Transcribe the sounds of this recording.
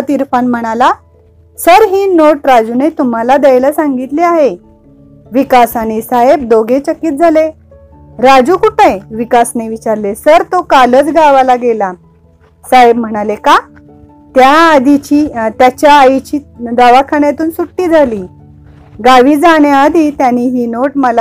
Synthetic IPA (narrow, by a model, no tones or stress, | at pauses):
t̪iɾfanm̤əɽ̃ala | səɾɦiːnoʈɾad͡ʑunet̪um̤alad̪ejlasãŋɡit̪leaɦe | ʋikasañisaɦebd̪oɡet͡ɕəkiːt̪̚d͡zʱale | ɾad͡ʑuːkuʈəjʋikasneʋit͡ɕaɾlesəɾt̪okalət͡sɡaʋalaɡela | saɦeb̚m̤əɽ̃aleka | t̪jaːd̪ʱit͡ɕiːt̪jat͡ɕjaːit͡ɕiːd̪aʋakʰaɳjat̪uːnsuʈːiːd͡zʱaliː | ɡaʋiːd͡zaɽjaːd̪ʱit̪janiːɦiːnoʈməla